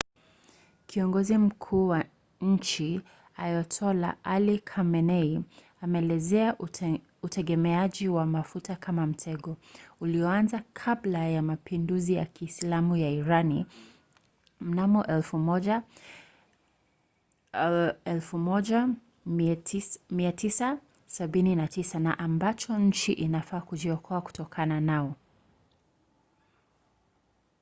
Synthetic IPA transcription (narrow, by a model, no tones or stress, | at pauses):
kʰiɔŋɡɔzim̩kʰuːwa | ɲ̩t͡ʃi | ajɔtʰɔla̰ʔalikʰamɛnɛi | amɛːlɛzɛa | utʰɛɠɛmɛaʄiwamafutakʰamam̩tʰɛɠɔuliɔanzakʰablajamapinduzija̰kʰiːslamujaiɾani | m̩namɔʔɛlfuɔ | ɛlfumɔʄa | miatisa | saɓininatisanaʔambat͡ʃɔɲ̩t͡ʃiʔinafaːkuʄiɔkʰɔaku̥tɔkʰananaɔ